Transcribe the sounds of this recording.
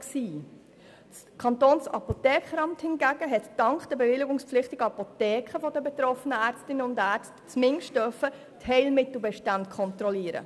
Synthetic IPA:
ksiː | kʰɑntoːnsɑ̰potɛːkχəɾɑmthɪnɡæɡ̥əɦɛttɑŋkχd̥ɛbevɪlɪɡʊŋspflɪχtɪɡ̥əɑpotɛːkχəfɔdəbet̪ɾɔfənəæːɾt͡stɪnːəʊndæːɾt͡stt͡smɪŋʃtd̥œɾfə | thɛɪlmɪtl̩bɛʃtɑntkʰɔntɾɔliːəɾə̰

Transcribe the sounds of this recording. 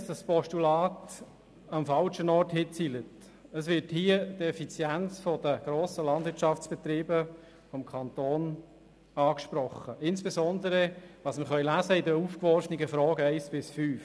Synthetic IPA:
sd̥ɑspɔʃtulɑːt | ɑmfɑlʃənɔːrthɪt͡silət | əsvʋɪɾthiːədɛfit͡sjænt͡sfɔdəɡ̥ɾoːsəlɑnd̪vɪt͡ʃɑft͡sb̥ɛt̪ɾiːbə | fɔmkʰɑnt̪oːn | ɑːkʃpɾɔχːəʔɪnsb̥ɛsɔnd̪əɾəʋɑsməχœʏlæːzəɪdəufkʋɔɾsniɡəfɾɔːɡəæɪsb̥ɪsfyːf

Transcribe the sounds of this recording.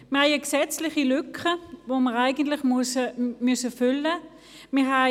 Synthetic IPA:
məhajaksɛt͡slɪχilʏkʰəvoːməʁaɪɡən̩tlɪχmsəmʏsəfʏlə | mɪɦa

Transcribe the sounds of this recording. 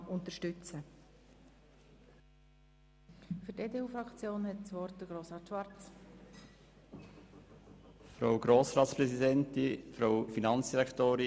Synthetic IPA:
ʊnt̪əʃtʏt͡sə | fʏɾteːdeːuːfɾɑkt͡sjoːnɦɛtsʋɔɾt̚d̥əɡɾoːsʁɑːtʃʋɑrt͡s | fɾoʊɡ̥ɾoːsɾɑːtspɾɛsidɛnt̪ifɾowfinɑnsd̥iɾɛkt̪oːɾi

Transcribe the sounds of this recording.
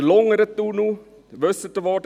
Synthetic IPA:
lɔŋəɾət̪ːunu | ʋœsət̪əʋɑːʈ

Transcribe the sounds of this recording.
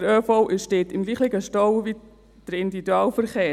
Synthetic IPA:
əɾøːfɔʊʔɪʃdeːtɪmɡliːχɪɡəʃtɔwʋi | d̥əɾɪnd̪iid̪uɑːlfəɾχeː

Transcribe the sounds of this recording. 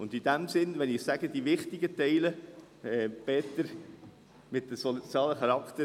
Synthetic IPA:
ʊndid̥æmsɪnʋɛnɪχsæɡəd̥̪iʋɪχt̪ɪɡətɛɪlə | ɛb̥ɛːt̪əɾ | mɪtːəsɔt͡sjɑːləχɑɾɑkt̪ə

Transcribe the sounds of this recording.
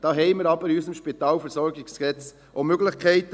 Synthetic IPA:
d̥ɑːɦɛɪmɪɾɑbəɾysəmʃpit̪ɑːlfəɾsɔɾɡikskɛt͡s | ʔomøɡlɪχkʰɛɪt̪

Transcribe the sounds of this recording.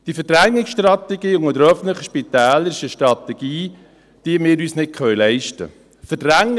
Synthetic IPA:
d̥ifəɾd̥ɾæŋːɪksʃtrɑt̪ɛɡiːʊŋəd̪əɾœfən̩t̪ləχəʃpit̪æːləɾɪʃəʃtɾɑt̪ɛɡ̥iː | d̥iəmɪːɾyːsnɪt̚kʰχœɥlɛɪʃtə̰ | fədɾæŋː

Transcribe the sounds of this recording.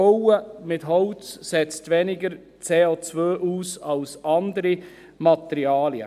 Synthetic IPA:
owəmɪtɦɔʊt͡ssɛt͡stʋɛnɪɡəɾ | t͡seːot͡svøːʔuːsɑlsɑnd̪əɾi | mɑt̪ɛɾiɑːljə̰

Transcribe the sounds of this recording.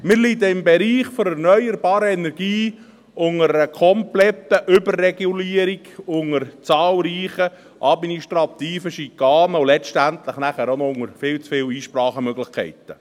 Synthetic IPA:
mɪːɾlid̪əɪmbɛɾiːχfɔɾɛɾnœʏəɾbɑːɾəɛnɛɾɡ̥iː | ʔʊŋəɾəkʰɔmplɛt̪ːəʔʏbərːɛɡ̥uliːəɾiɡʊŋəɾt͡sɑːlˠɾiːχə | ʔɑd̪miniʃtɾɑt̪iːfəʃikɑːnəolɛstænt̪ləχnæχæːɾonɔʊŋəɾfɪːlt͡sfɪːliːʃpɾɑːχəmøɡlɪχkʰɛ̰ɪt̪ə

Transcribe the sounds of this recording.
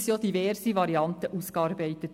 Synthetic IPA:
sjoːd̥̪iʋɛɾsiʋɑɾiɑnt̪əʔuːskɑːɾbæɪt̪ət

